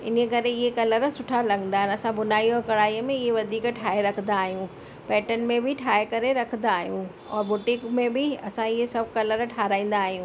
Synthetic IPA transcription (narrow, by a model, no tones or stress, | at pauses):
ɪ̰nkɐɾeɪɦekɐləɾsʊʈʰalɐɡə̃nd̪aːɦɪnɐsãbʊnaːijokɐɽaːijəmẽɪɦeʋɐd̪ʱiːkʈʰaːeɾɐkʰə̃n̆d̪aːɦijũ | pɛːʈənmẽbʱɪʈʰaːekɐɾeɾɐkʰə̃n̆d̪aːɦijũ | ɔːɾbʊʈɪkmẽbɪɐsãɪɦesɐbʱkɐləɾʈʰaːɾaːĩːn̆d̪aːɦijũː